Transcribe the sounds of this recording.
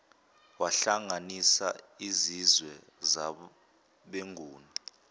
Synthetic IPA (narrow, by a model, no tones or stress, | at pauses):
waɬaŋanisa̰izizwɛ | za | ɓeŋʱuːni